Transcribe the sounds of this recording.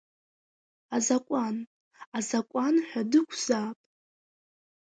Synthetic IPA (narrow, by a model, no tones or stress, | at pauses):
azakʷʼan | azakʷʼanħʷᶣadɨkʷʰz̥aːpʼ